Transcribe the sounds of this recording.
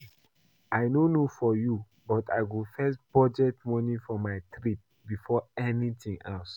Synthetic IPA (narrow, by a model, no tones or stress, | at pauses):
aɪnonofɔju | bɔtʰaɪɡufɛs̬b̥ɔd͡ʒɛtmɔnifɔmaɪtɹit̚ | bifɔɛnitĩŋɛls